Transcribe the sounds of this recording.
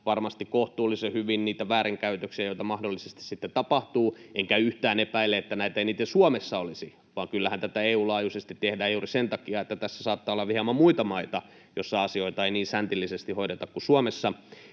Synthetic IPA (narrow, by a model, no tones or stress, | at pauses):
ʋɑrmɑst̪ikkoht̪uːlisehyʋinniːt̪æʋæːɾiŋkæyt̪øksiæjoit̪ɑmɑhdolːisest̪i̥ssit̪ːet̪ɑpɑht̪uːʔeŋkæyht̪æːnepæilːeet̪ːænæit̪æiniːt̪ːesuɑmesːɑolisi | ʋɑːŋkylːæhænt̪æt̪æeːuːlɑːjusest̪it̪tehdæːjuːrisent̪ɑkiɑet̪ːæt̪æsːæ̥sɑːt̪ːɑːolːɑʋihɑmɑmuit̪ɑmɑit̪ɑ | josːɑɑsioit̪ɑeiniːnsænt̪ilːisest̪ihoiɾet̪ɑkkusuomesːɑ